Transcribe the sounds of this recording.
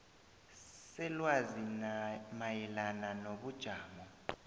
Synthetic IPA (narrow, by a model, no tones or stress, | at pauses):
sɛlwazimajɛlananoɓud̥ʒ̥ʱaːmɔ